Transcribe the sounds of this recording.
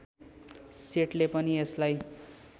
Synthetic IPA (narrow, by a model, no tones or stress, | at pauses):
seʈlepʌnieslaj